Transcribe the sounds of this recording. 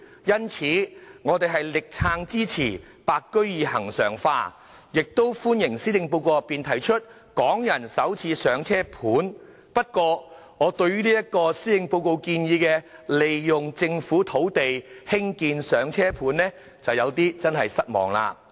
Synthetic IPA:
jɐ˥nt͡sʰiː˨˥ŋɔː˨˧t̪e˨jɦɐ˨jlɪ˨k̚t͡sʰaː˧ŋt͡siː˥t͡sʰiː˨˩ | paː˧kkːɵ˥ɥjiː˨˧hɐ˨˩ŋsœ̰ː˨˩ŋfa̰ː˧ | jɪ˨k̚t̪o˥wfuː˥njɪ˨˩ŋsiː˥t̪ɪ˧ŋpo˧wkoː˧ɐ˨piː˨nt̪ʰɐ˨˩jt͡ʃʰɵ˥t̚ | kɔː˨˥ŋjɐ˨˩nsɐ˨˥wt͡sʰiː˧sœː˨˧ŋt͡sʰɛː˥pʰuː˨˥n | pɐ˥t̚kʷɔː˧ | ŋɔː˨˧t̪ɵ˧ɥyː˥niː˥jɐ˥t̚kːɔː˧siː˥t̪ɪ˨˧ŋpo˧wko˧wkiː˧njiː˨˧kɛː˧le˨jjʊ˨˩ŋt͡sɪ˧ŋfuː˨˥t̪ʰo˨˥wt̪e˨jhɪ˥ŋkiː˧nsœː˨˧ŋt͡sʰɛː˥pʰuː˨˥nɛː˥ | t͡sɐ˨wjɐ˨˧wt̪iː˥t͡sɐ˥nɦɐ˨jsɐ˥t̚mɔ̰ː˨˩ŋla̰ː˧

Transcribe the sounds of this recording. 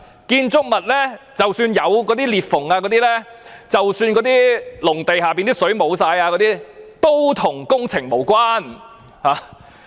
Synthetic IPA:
kiː˧nt͡sʊ˥k̚mɐ˨t̚lɛː˥t͡sɐ˨wsyː˧njɐ˨˧wkɔː˨˧t̪iː˥liː˨t̚fʊ˨˩ŋaː˧kɔː˨˧t̪iː˥lɛ˥t͡sɐ˨wsyː˧nkɔː˨˧˥t̪iː˥lʊ˨˩ŋt̪e˨jɦaː˨˩piː˨nt̪iː˥sɵ˨˥ɥmo˨˧wsaː˧jaː˧kɔ˨˧˥t̪iː˥t̪o˥wt̪ʰʊ˨˩ŋkʊ˥ŋt͡sʰɪ˨˩ŋmo˨˩wkʷaː˥n | haː˨˧

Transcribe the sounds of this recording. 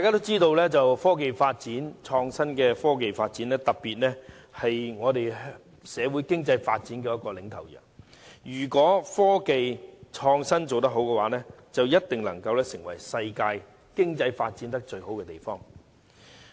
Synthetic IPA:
ta˨kaː˥t̪o˥wt͡siː˥t̪o˧wlɛː˥t͡sɐ˨wfɔː˥k̬e˨jfaː˧t̚t͡siː˨˥nt͡ʃʰɔː˧ŋsɐ˥nkɛː˧fɔː˥k̬e˨jfaː˧t̚t͡siː˨˥nɛː˥t̪ɐ˨p̚pːiː˨t̚nɛː˥hɐ˨jŋɔː˨˧t̪e˨j | sɛː˨˧wu˨˥jkɪ˥ŋt͡sɐ˧jfaː˧t̚t͡si˨˥nkɛː˧jɐ˥t̚kɔː˧lɪ˨˥ŋt̪ʰɐ˨˩wjœ̰ː˨˩ | jyː˨˩kʷɔː˨˥fɔː˥ke˨jt͡ʃʰɔː˧ŋsɐ˥nt͡so˨wt̪̬ɐ˥k̚ɦo˨˥wkɛ˧waː˨˥nɛː˥ | t͡sɐ˨wjɐ˥t̚t̪ɪ˨ŋlɐ˨˩ŋkɐ˧wlɛː˥sɪ˨˩ŋwɐ˨˩jsɐ˧jkaː˧j | kɪ˥ŋt͡sɐ˧jfaː˧t̚t͡si˨˥nt̪̬ɐ˥k̚t͡ʃɵ˧ɥɦo˨˥wkɛ˧t̪e˨jfɔː˥ŋ

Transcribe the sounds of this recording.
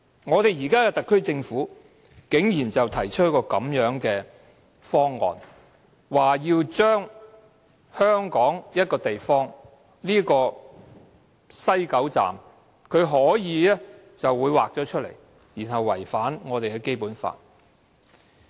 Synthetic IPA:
ŋɔː˨˧t̪e˨jiː˨˩kaː˥kɛː˧t̪ɐ˨kʰːɵ˥t͡sɪ˧ŋfuː˨˥ | kɪ˨˥ŋjiː˨˩nt͡sɐ˨wt̪ʰɐ˨˩jt͡ʃʰɵ˥t̚kɔː˧kɐ˨˥mjœː˨˥ŋkɛː˧ | fɔː˥ŋːɔ̰ː˨n | waː˨˩jiː˧wt͡ʃœː˥ŋ | hœː˥ŋkɔː˨˥ŋjɐ˥t̚kɔː˧t̪e˨jfɔː˥ŋ | liː˥kɔː˧ | sɐ˥jkɐ˨˥wt͡sa̰ː˨˩m | kʰɵ˨˧ɥɦɔː˨˥jiː˨˧ɛ˥ | t͡sɐ˨wːuː˨˧jwaː˨k̚t͡sɔː˨˥t͡ʃʰɵ˥t̚lḛ˨˩j | jiː˨˩nɦɐ˨wːɐ˨˩jfaː˨˥nŋɔː˨˧t̪e˨jkɛ˧ke˥jpuː˨˥nfa̰ː˧˨t̚

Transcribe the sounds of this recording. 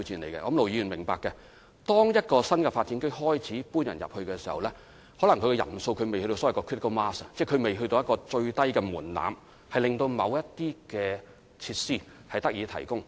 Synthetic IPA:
t͡siː˧nle˨˩jkɛ̰˧ʔɔː˧˥mlo˨wjiː˨˧˥y˨˩mɪ˨˩ŋpaː˨kːɛ˧ | t̪ɔː˥ŋjɐ˥t̚kɔː˧sɐ˥nkɛ˧faː˧t̚t͡siː˨˥nkɵ˥hɔː˥jt͡sʰiː˨˥puː˥njɐ̰˨˩njɐ̰˨p̚hɵ˧kɛː˧si˨˩hɐ̰˨˩wlɛ˥ | hɔː˨˥lɐ˨˩ŋkʰkɛ˧jɐ̰˨˩nso˧wkʰɵ˧ɥme˨jhɵ˧t̪o˧sɔː˨˥˨kɔ˧kʰɪ˥t̚ko˥maː˥sɐ˨t͡sɛː˥˩kʰɵ˨˧ɥme˨jɦɵ˧t̪o˧wjɐ˥tkɔː˧t͡sɵ˧ɥt̪ɐ˥jkɛː˧muː˨˩nla̰ː˨m | hɐ˨jlɪ˨ŋt̪o˧wmɐ˨˧wjɐ˥t̚t̪ːiː˥kɛː˧ | t͡sʰiː˧t̚siː˥ | hɐ˨jt̪ɐ˥k̚jiː˨˧t̪ʰɐ̰˨˩jkʊ˥ŋ

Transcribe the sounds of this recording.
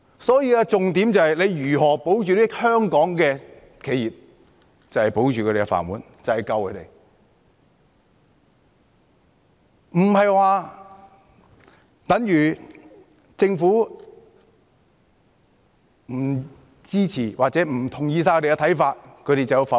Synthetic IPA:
sɔː˨˥jiː˧a˧t͡sʊ˨ŋt̪iː˨˥mt͡sɐ˨˧hɐ˨jle˨˧jjyː˨˩ɦɔː˨˩po˨˥wt͡ʃyː˨liː˥hœː˥ŋkɔː˨˥ŋkɛː˧ | kʰe˨˧jiː˨p̚ | t͡sɐ˨whɐ˨˩jpo˨˥wt͡ʃyː˨kʰɵ˨˧t̪e˨˩˧ɛ˧fa̰ː˨˩nwuː˨˥n | t͡sɐ˨whɐ˨jkɐ˧wkʰɵ˨˧˥t̪ḛ˨˩j | m̩˨˩ɦɐ˨jwaː˨˧ | t̪ɐ˨˥ŋjyː˨˩ | t͡sɪ˧ŋfuː˨˥ | m̩˨˩ | t͡siː˥t͡sʰiː˨˩waː˨k̚t͡sɛː˨˦˥m̩˨˩t̪ʰʊ˨˩ŋjiː˧saː˧kʰɵ˧˥ɾe˨˧kɛ˧t̪ʰɐ˨˥jfaː˧t̚kʰɵ˧ɾe˨t͡sɐ˨ji˧wfɐ˨

